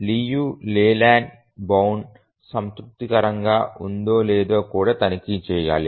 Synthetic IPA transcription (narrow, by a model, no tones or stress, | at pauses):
liːjuːlɛːlaːɳ | bɐwn | sɐmt̪ɾup̚t̪ikɐɾɐŋɡaːʔund̪oːlɛːd̪o̞ːkuːɽaːt̪ɐnikit͡ʃɛːja̰ːli